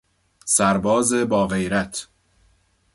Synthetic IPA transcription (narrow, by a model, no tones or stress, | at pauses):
sæɾbɒːzebɒːɣejɾæt̪ʰ